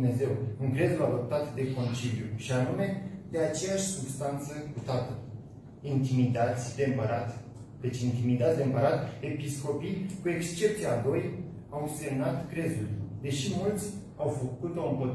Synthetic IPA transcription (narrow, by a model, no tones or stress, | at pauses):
ne̞ze̞wɨŋkɾe̞zulad̪o̞p̚t̪at̪d̪e̞ko̞nt͡ʃiljuʃianume̞d̪e̞at͡ʃe̞jaʃʲsubst̪ant̪səkut̪at̪ə | int̪imid̪at̪sʲd̪empəɾat̪ | d̪et͡ʃint̪imid̪at̪sʲd̪eɨmpəɾat̪e̞pisko̞pijkue̞kst͡ʃe̞p̚t̪siad̪o̞j | awse̞mnat̪kɾe̞zulʲd̪e̞ʃimult̪sʲ | awfəkut̪oɨmpo̞t̪